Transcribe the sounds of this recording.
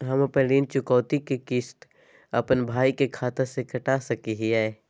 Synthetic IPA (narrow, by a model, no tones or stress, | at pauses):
ɦɐmɐpəliːnt͡ʃʊkɔːt̪ikekɪst̪ | ɐpənbʱaːikekʰaːt̪əɾsekɐʈaːsɐkiɦiaːe